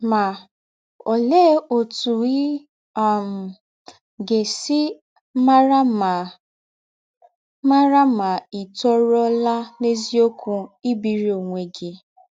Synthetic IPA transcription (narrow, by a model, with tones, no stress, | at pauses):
ma˨ | o˨le˦o˨tu˨i˦ | a˦˨m̩˨ | ɡe˨sɪ˦ | ma˦ɾa˦ma˨ | ma˦ɾa˦ma˨i˨tɔ˦ɾɔ˦la˦ne˦zi˦o˦kʰu˦i˦bi˨ɾi˦o˨ŋʷe˨ɡɪ˦